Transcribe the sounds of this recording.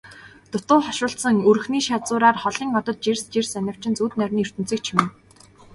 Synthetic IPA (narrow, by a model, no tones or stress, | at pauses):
t̪ʊt̪ʊːχɔʃʊːɬsə̆ŋɵr̆xniːʃat͡sʊːɾaːrχɔɮiːŋɔt̪ɞ̆t̪̚t͡ɕerst͡ɕersænʲɪ̆w̥t͡ɕɪ̆nt͡suːt̪nœrʲniːɵr̥t̪ɘ̥̆t͡siːk̚t͡ɕʰɪmɘ̆n